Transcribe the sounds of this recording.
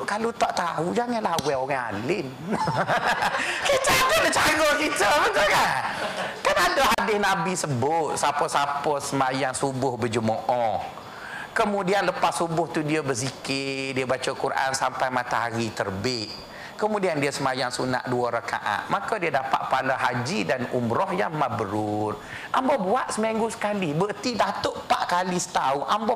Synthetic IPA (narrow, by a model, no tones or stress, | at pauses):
kalot̪aʔt̪aud͡ʒaŋanlahwɛoɣaa̰lɪn | kət͡ʃaɡədət͡ʃaɡɔkit̪əmətəkankanadəadɪhnabisəbʊt̪̚sapəsapəsəmajaŋsubʊhbəd͡ʒəmɔʔɔ | kəmudianləpasubʊht̪udiəbəs̬ikɪdiəbat͡ʃəkuɾʔa̰nsampajmat̪aɦaɾit̪ərbɪʔ̚ | kəmudiandiəsəmajaŋsuna̰ʔduəɾəka̰ʔa̰t̪̚makədiədapa̰ʔ̪̚paləɦad͡ʒidanṵmɾɔhjaŋmabəɾʊt̪̚ | ʔambɔbuaʔ̪səmeŋɡusə̥kalibət̪idat̪oʔpaʔkalisə̥t̪auʔambɔ